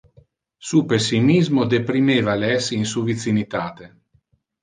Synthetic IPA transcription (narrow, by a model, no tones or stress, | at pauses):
supesːimizmod̪epɾimeːvalɛsinsuvit̪sinit̪aːt̪e